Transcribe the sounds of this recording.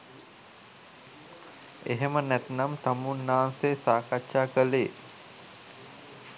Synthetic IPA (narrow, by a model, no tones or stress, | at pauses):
eɦemənæt̪namt̪amunːaːnseːsaːkatʃaːkəleː